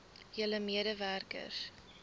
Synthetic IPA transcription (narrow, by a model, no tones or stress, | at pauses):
jələmiədəværkə̰s